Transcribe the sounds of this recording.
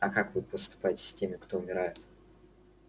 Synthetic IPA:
ɐkakvɨpəst̪ʊ̥pajɪtʲɪ̥sʲtʲemʲɪkt̪oʊmʲɪɾajɪt̪

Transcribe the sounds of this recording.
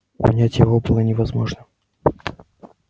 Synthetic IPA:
ʊ̰nʲætʲjɪvobɨlˠənʲɪvɐzmoʐnə

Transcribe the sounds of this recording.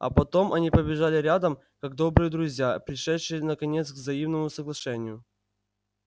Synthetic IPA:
ɐ̰pɐt̪o̞mɐnʲipəbʲɪʐalʲɪɾʲad̪əm | kaɡ̚d̪o̞bɾɨjəd̪ɾʊzʲjapɾʲɪʂɛt̪ʂɨjənəkɐnʲet̪sɡvzɐimnəmʊsəɡlˠɐʂɛnʲɪjʊ

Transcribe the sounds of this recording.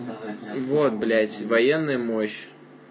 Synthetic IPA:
vot̪̚blʲætʲvɐjɛnːɨjʊmoɕː

